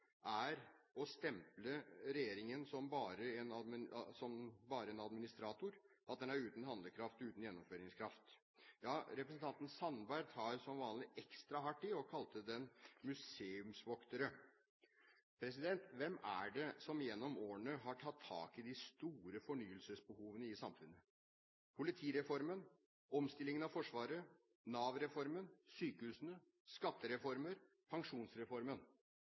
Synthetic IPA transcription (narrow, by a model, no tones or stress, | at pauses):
ʔæɾɔst̪ɛmpləɾɛjeːɾɪŋənsɔmbɑːɾəɛnɑd̪mɪsɔmbɑːɾəɛnɑd̪mɪnɪst̪ɾɑːt̪ʊɾ | ʔɑt̪̚d̪ɛnæɾʉːt̪n̩hɑnd̪ləkʰɾɑft̪ʉːt̪n̩jɛnːɔmføːɾɪŋskʰɾɑft̪ | jɑːɾɛpɾəsnt̪ʰɑnt̪n̩sɑnbæɾɡ̪hɑɾsɔmʋɑːnlɪʔɛkst̪ɾɑɦɑʈːɪɔkʰɑlt̪əd̪ɛnmʉseːʉmsʋɔkt̪əɾə | pʰɾɛs̬ɪd̪ɛnt̪ʋɛmæ̰ɖɛsɔmjɛnːɔmoːəɳəɦɑʈʰɑt̪ʰːɑ̰ːkɪd̪ɪst̪uːɾəfɔɳyːəlsəsbəhuːʋənəɪsɑmfʉnːə | pʰʊlɪt̪ʰiːɾɛfɔɾmən | ɔmst̪ɪlːɪŋənɑʋfɔʂʋɑːɾə | nɑːʋɾɛfɔɾmənsyːkəhʉːsənə | skɑt̪ːəɾɛfɔɾməɾ | pʰɑŋʂuːnsɾɛfɔɾmən